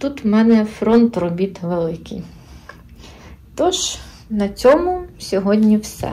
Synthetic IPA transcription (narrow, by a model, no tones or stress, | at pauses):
t̪ut̪wmɛnɛfɾɔnt̪rɔbʲit̪ʋelˠɪkɪ̰j | t̪ɔʒ | nɐt͡sʲɔmʊsʲɔɦɔdʲnʲiwsɛ̰